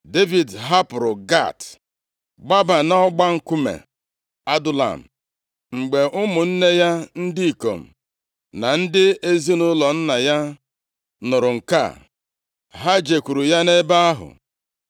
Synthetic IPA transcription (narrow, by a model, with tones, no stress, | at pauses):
de˦vi˨dɦa˦pʊ˨ɾʊ˨ɡa̰˦˨t | ɡ͡ba˦ba˨nɔ˦ɡ͡ba˦ŋ̩˦ku˦mḛ˨ | a˦dʊ˦la̰˨m̩˨ | ŋ͡m̩˨ɡ͡be˨ʔʊ˦mʊ˨n̩˦ne˦ja˦n̩˦dɪ˦i˨ko̰˨m̩˨ | na˨n̩˦dɪ˦e˦zi˦nʊ˦lɔ˨n̩˦na˨ja˦ | nʊ˨ɾʊ˨ŋ̩˨ka̰˦˨ | ɦa˦d͡ʒe˨kʷu˨ɾu˨ja˦ne˦ba˦a˦ɦʊ̰˨